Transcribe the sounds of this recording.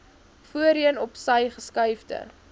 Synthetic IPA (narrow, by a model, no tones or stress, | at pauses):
fuəɾiənɔpsɐjχəskɐɥfdə̰